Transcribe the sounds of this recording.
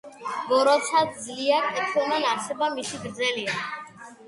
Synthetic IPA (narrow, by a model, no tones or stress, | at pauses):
ɡɔɾɔt̪sʰad̪̚d̪zliaɾɛtʰɔnɛnaɾsɛbamisiɡɾd̪zɛlia